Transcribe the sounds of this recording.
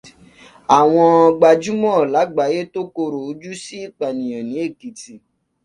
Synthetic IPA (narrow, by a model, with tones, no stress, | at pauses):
a˨w̃ɔ̃˧ɡ͡ba˧d͡ʒu˦mɔ̃˦˨la˨˦ɡ͡ba˨˦je˦to˦ko˧ɾo˨o˧d͡ʒu˦si˦i˦˨k͡pa˨nĩ˨j̃ã˨nĩ˨˦e˦˨ki˨ti˨